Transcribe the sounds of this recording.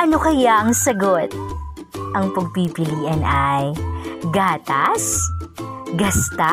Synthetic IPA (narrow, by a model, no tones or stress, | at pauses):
ʔɐno̞kɐjaʔɐŋsɐɡot̪̚ | ʔɐŋpɐɡ̚pipɪliːʔɐnɐjɡaːt̪ɐs | ɡɐst̪a